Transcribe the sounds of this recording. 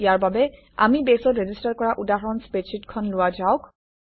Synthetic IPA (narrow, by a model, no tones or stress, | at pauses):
ijaɹbabɛ | a̰mibesɔtɹezistaɹkɔɹaʔudaɦɔnspesʰitkʰɔnlʊwazaʊk